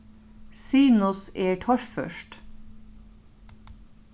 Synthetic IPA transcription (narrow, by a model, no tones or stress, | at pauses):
siːnʊseːʈʰɔʃfœ̰ʃʈ